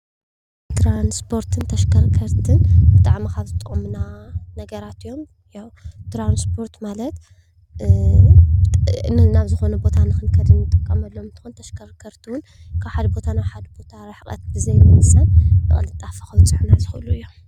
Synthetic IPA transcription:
t̪ɾanspʰo̞ɾt̪ʰɨnt̪ʰɐʃkʰɐɾkʰɐɾt̪ʰɨnbɨt̪ʼaʕmikʰaβzɨt̪ʼɨomnanɐɡɐɾat̪ɨjːo̞m | jawt̪ɾanspʰo̞ɾt̪malɐt̪ | nɨnaβzɨxo̞nɐbo̞t̪ʰanɨxɨnkʰɐd̪ɨnjɨt̪ʼːɨkʼːɐmɐlːomɨnt̪ʰɨ̥xunt̪ʰɐʃkʰɐɾkʰɐɾt̪ʰuwʊn | kʰaβħad̪bo̞t̪ʰanaħad̪bo̞t̪ʰaɾaħkʼɐ̰t̪̚bɨzɐjmɨnɨsɐnɨʔʼɨ̰lɨt̪ʼːafɐxɐwt͡sʼɨʕnazɨxuluɨjːo̞m

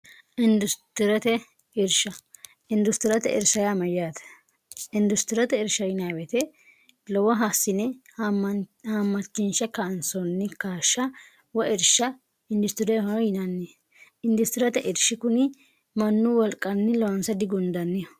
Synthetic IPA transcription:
ʔɪnd̪ʊst̪ɪɾɐt̪ɛ | ɪɾʃɐ | ɪnd̪ʊst̪ɪɾɐt̪ɛ̰ʔɪ̰ɾʃɐjamɐjjat̪ɛ̥ | ɪnd̪ʊst̪ɪɾɐt̪ɛɪɾʃɐjɪnawɛt̪ɛ | lɔwɐɦaːsːɪnɛ | hamːɐt͡ʃːɪnʃɐkɐːnsɔnːɪkaːʃːɐ | wɔʔɪɾʃːɐ | ɪnd̪ʊst̪ɪɾɛhɔjɪnɐnːi | ɪnd̪ʊst̪ɪɾɐt̪ɛʔɪɾʃɪkʊnɪ | mɐnːʊwɔlkʼːɐnːɪlɔwɐnsɐd̪ɪɡʊnd̪ɐnːɪjɔ

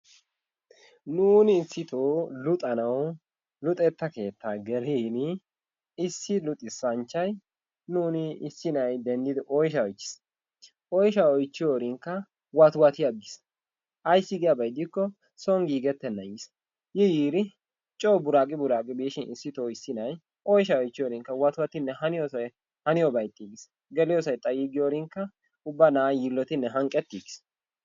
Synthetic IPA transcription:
nuːnɪːsːɪt̪oːlʊt̪ʼɐnɐw | lʊt̪ʼɛt̪ːɐke̞ːt̪ːaːɡɛliːnɪ | ɪsːɪlʊt̪ʼːɪsɐnt͡ʃːɐj | nuːnɪɪsːɪnɐjd̪ɛnd̪ɪd̪ɪʔɔjʃɐɔjt͡ʃːɪ̥s | ʔɔjʃɐɔjt͡ʃːɪjoːɾɪŋkːɐ | wɐt̪wɐt̪ɪjɐɡɪs | ʔɐjsːɪɡɪjabɐjd̪ɪkːɔ | sɔŋɡiːɡɛt̪ːɛnːɐjɪs | jɛjiːɾɪ | t͡ʃʼoːbʊɾaːkʼɪbʊɾaːkʼɪbeːʃɪnɪsːɪt̪oːɪsːɪnɐj | ʔɔjʃɐɔjt͡ʃːɪjoːɾɪŋkːɐwɐt̪ʊwɐt̪ɪnːɛhɐnɪjosɐj | hɐnɪjɔbɐjt̪ːiɡɪs | ɡɛlɪjɔsɐjt̪ʼɐjiɡɪjoːɾɪŋkːɐ | ʊbːɐnaːjilːɔt̪ɪnːɛɦɐŋkʼːɛt̪ːiɡɪ̥s

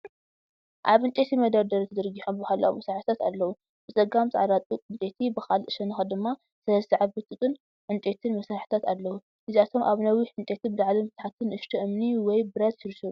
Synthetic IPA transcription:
ʔaβɨnt͡ʃ̪ʼet̪ʰimɐd̪ɐɾd̪ɐɾit̪ʰɐd̪ɨɾɡiħombhalːa̰wumɐsɾaħɨt̪ʰat̪a̰lːɐwu | b̥ɨt͡sʼɐɡamzɨʕaɾat̪ʼuɨnt͡ʃ̪ʼet̪ʰibɨxalʔɨʃɐnɨxɐd̪ɨmːa | sɐlɐsɨʕaβbɨt̪ʼɨt̪ʼɨn | ʕɨnt͡ʃʼet̪ʰɨnmɐsɾaħt̪ʰat̪alːɐwu | ʔɨziat̪ʰo̞mʔaβnɐwiħɨnt͡ʃ̪ʼet̪ʰibɨd̪aʕlimɨt̪ħat̪ʰɨnʔɨʃt̪ʰɐʔɨmniwɔjbɨɾɐt̪ʃɨɾʃɐu

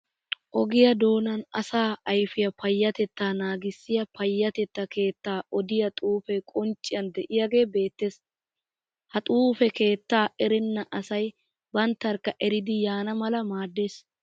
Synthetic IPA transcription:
ʔɔɡɪjɐd̪o̞ːnɐnɐsaːɐjfɪjɐpɐjːɐt̪ɛt̪ːaːnaːɡɪsːɪjɐpɐjːɐt̪ɛt̪ːɐke̞ːt̪ːaːʔɔd̪ɪjɐt̪ʼuːfɛkʼɔnt͡ʃʼːɪjɐnd̪ɛʔɪjɐɡe̞ːbe̞ːt̪ːe̞ːs | hɐt̪ʼuːfɛke̞ːt̪ːaːʔɛɾɛnːɐʔɐsɐj | bɐnt̪ːɐɾkːɐʔɛɾɪd̪ɪjaːnɐmɐlɐmaːd̪ːe̞ːs

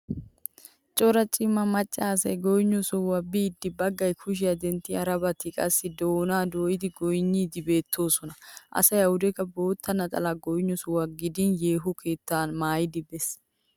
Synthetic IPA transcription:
t͡ʃʼɔɾɐt͡ʃʼɪmːɐmɐt͡ʃʼːaːs̬ɐjɡɔjɲːɔsʊwɐbɪːd̪ːɪbɐɡːɐjkʰʊʃ̬ɪjɐd̪ɛnt̪ːɪɐɾɐbɐt̪ːɪkʼɐsːɪd̪oːnaːd̪oːjɪd̪ɪɡɔjɲːiːd̪ɪbe̞ːt̪ʰːo̞ːsɔnɐʔɐ̰sɐjɐwʊd̪ɛkɐbo̞ːt̪ʰːɐnɐt̪ʼɐ̰laɡɔjɪɲːɔsʊwɐɡɪd̪ɪnje̞ːɦʊkʰe̞ːt̪ːaːnmaːjɪd̪ɪbɛs

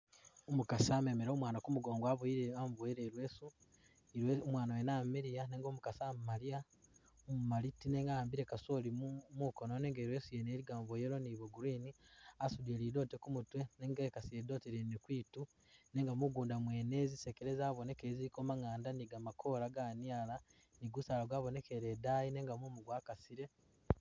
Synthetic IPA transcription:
omukasame̞meɾomwaːnakumuɡoːŋɡaβoiɾeamvoeɾeɾwesu | omwaːnawenameɾijaneːŋɡoːmukasammaɾia | omumaɾitineːŋɡaaːmbiɾekasolimukononeːŋɡeɾwe̞ːsujeneɾiɡaːɱvojeɾoniβoɡuɾiniasudieliːdo̞ːtekumutweneŋɡekasieido̞teɾinekwiːtu | ne̞ːŋɡamuɡuːndamwe̞ːnezise̞keɾezaβone̞kezikomaŋaːndaniɡamakʰo̞ɾaɡaniala | niɡusalaɡwaːβone̞keɾedajine̞ːŋɡamumuɡwaːkasiɾe̞

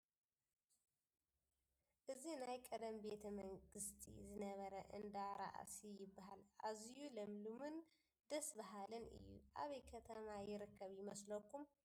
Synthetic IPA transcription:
ʔɨzinajkʼəd̪əmbe̞t̪ʰəməŋɡɨst̪ʰḭzɨnəβəɾəʔɨnd̪aɾa̰ʔa̰sijɪbːahalʔazijuləmlumɨn | d̪əsbaɦalɨnʔɨ̰jːṵʔa̰βejkʰət̪ʰəmajɪɾɨkʰːəβjɪməsləkːum

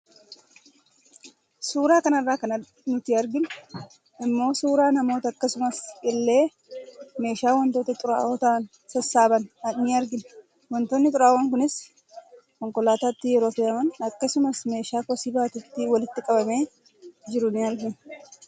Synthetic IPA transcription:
suːɾaːkɐnɐrːaːkɐnɐ | nʊt̪ɪɐɾɡɪn | ɪmːo̞ːsuːɾaːnɐmoːt̪ɐɐkːɐsʊmɐsɪlːe̞ː | me̞ːʃaːwɐnt̪oːt̪ɐt̪ʼʊɾa̰ːʔoːt̪ɐʔɐn | sɐsːaːbɐnɐnɪɐɾɡɪn | wɔnt̪oːnːɪt̪ʼʊɾaːwɐŋkʊnɪs | kɔŋkɔlaːt̪aːt̪ːɪjɛɾo̞ːfeːʔɐmɐnɐkːɐsʊmɐsme̞ːʃaːkɔsɪbaːt̪ɪt̪ːɪwɐlɪt̪ːɪkʼɐbɐme̞ː | d͡ʒɪɾʊnɪɐɾɡɪn

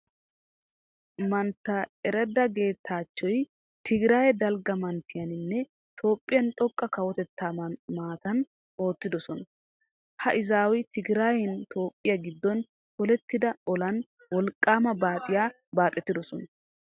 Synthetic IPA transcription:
mɐnt̪ːɐɛɾɛd̪ːɐɡe̞ːt̪ʰːaːt͡ʃːɔj | t̪ɪɡɪɾaːjɛd̪ɐlɡɐmɐnt̪ːɪjɐnɪnːɛ | t̪ʰo̞ːpʼːɪjɐnt̪ʼɔkʼːɐkɐwɔt̪ɛt̪ːaːmaːt̪ɐn | o̞ːt̪ːɪd̪ɔsɔn | hɐʔɪzaːwɪt̪ɪɡɾaːjɛnt̪ʰo̞ːpʼːɪjɐɡɪd̪ːɔn | hɔlɛt̪ːɪd̪ɐɔlɐn | wɔlkʼːaːmɐbaːt̪ʼɪjaː | baːt̪ʼːɛt̪ːɪd̪ɔsɔnɐ

